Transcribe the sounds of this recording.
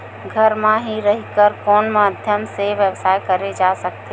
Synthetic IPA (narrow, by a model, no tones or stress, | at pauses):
ɡʱəɾmãɦiɾəɦikəɾkɔːnmaːd̪ʱjəmseʋjəʋsaːjkəɾed͡ʒasəkt̪e